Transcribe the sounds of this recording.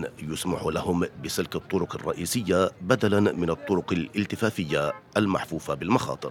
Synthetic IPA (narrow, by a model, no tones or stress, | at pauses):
jʊsmaħulahʊmbɪsɪlkɑt̪ˤːʊɾʊqɑrˤːɑ̰ʔiːsɪjːabad̪alanmɪnɑt̪ˤːʊɾʊqalʔɪlt̪ɪfaːfɪjːaʔalma̰ħfuːfabɪlmɑxɑ̰ːt̪ˤɨɾ